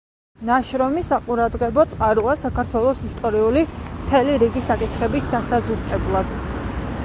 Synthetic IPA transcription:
naʃɾɔmisaqʼuɾad̪ʁɛbɔt̪sʼqʼaɾuasakaɾt̪ʰwɛlˠɔsist̪ʼɔɾiulimt̪ʰɛliɾiɡisakʼit̪χɛbisd̪asazust̪ʼɛblˠad̪̥

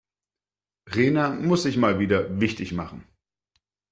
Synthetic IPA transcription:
ʁeːnamʊsz̥ɪçmaːlviːdɐvɪçtɪçmaχn̩

